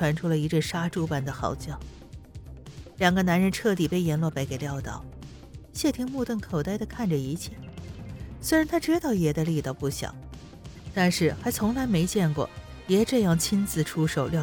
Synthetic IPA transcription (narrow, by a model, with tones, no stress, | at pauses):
wa˧˥nʈ͡ʂʰu˥lə˨˩i˧˥ʈ͡ʂə˥˩ʂa˥ʈ͡ʂu˥pa˥˩nd̪ə˩xɑ̰˨˧˩ʊt͡ɕjɑ˥˩ʊ | ljɑ˨˩ŋɡə˦na˧˥nɻə˧˥nʈ͡ʂʰɤ˥˧t̪i˨˩pe˥˩ɪjɛ˧˥nlwɔ˥˧pa˧˥ɪke˨˩ɪljɑ˥˧ʊt̪ɑ˨˩˦ʊ | ɕjɛ˥˩t̪ʰi˧˥ŋmu˥˧t̪ə˥˩nkʰo˨˩ʊt̪a˥ɪd̪ə˨kʰa˥˩nʈ͡ʂə˩i˧˥t͡ɕʰjɛ˥˩ | swe˥ɪɻa˧˥nt̪ʰa˥ʈ͡ʂɻ̩˥t̪ɑ˥˩ʊjɛ˨˩d̪ə˧li˥˧t̪ɑ˥˩ʊpu˥˩ɕjɑ̰˨˩˦ʊ | t̪a˥˧nʂɻ̩˥˩xa˧˥ɪt͡sʰʊ˧˥ŋla˧˥ɪme˧˥ɪt͡ɕjɛ˥˧nkwɔ̰˥˩ | jɛ˧˥ʈ͡ʂɤ˥˧jɑ˥˩ŋt͡ɕʰi˥nt͡sɹ̩˧˩ʈ͡ʂʰu˥ʂo˨˩ʊljɑ˥˧